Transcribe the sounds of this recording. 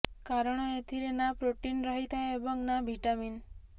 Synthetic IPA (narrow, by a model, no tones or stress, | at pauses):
kaɾɽ̃ɔet̪ʰiɾenapɾoʈinɾəɦit̪ʰajeebɔŋnabʱiʈamin